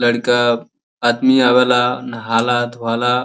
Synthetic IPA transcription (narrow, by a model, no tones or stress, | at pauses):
ləɽkaː | d̪miaʋalanɦalad̪ʱuʋala